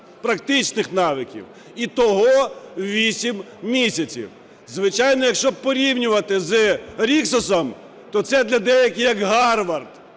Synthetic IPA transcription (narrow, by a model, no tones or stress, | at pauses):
pɾɐkt̪ɪt͡ʃnɪxnɑʋɪkʲḭw | it̪ɔɦɔʋʲisʲim | mʲisʲɐt͡sʲḭw | zʋɪt͡ʃɑjnɔjɐkʃt͡ʃɔb̚pɔɾʲiwnʲʊʋɐt̪ɪzɨɾʲiksɔsɐm | t̪ɔt̪sɛd̪lʲɐd̪ɛjɐkʲɪjɐkɦɑrʋɐrt̪